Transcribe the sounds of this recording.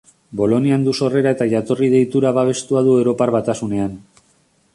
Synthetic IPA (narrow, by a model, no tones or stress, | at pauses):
bo̞lo̞niand̪uso̞re̞ɾae̞t̪aʝat̪o̞rið̞e̞jt̪uɾaβaβ̞e̞st̪uaðuewɾo̞parβat̪asune̞an